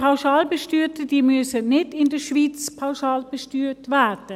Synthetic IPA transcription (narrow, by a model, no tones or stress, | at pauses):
paʊʃɑːlbəʃtyːɾtədiːmyəsənɪdɪndəʃviːt͡spʰawʃɑːlb̥əʃtyːɾtʋɛːɾd̥ə